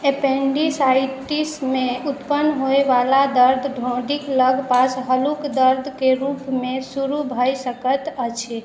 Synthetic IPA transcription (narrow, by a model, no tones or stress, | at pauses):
epeɳɖisaiʈismeut̪pənːɦoeʋalad̪əɾd̪ʱɖʱõɖikləɡʱpasɦəlukd̪əɾd̪ʱkeɾupmẽsuɾubʱəjsəkət̪ət͡ʃʰi